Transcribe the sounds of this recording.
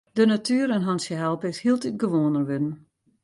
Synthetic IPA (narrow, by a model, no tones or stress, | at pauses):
dənatʰyəɾənɦansjəɦɛlˠpɪshiəlˠtyt̚ɡəʋoːnərʋødən̩